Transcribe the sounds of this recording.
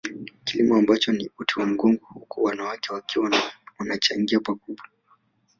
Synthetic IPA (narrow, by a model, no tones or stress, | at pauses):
kilimɔambat͡ʃɔniutiwam̩ɡɔŋɡɔhukʰuwanawakɛwakiwawanat͡ʃaŋɡiapakuɓa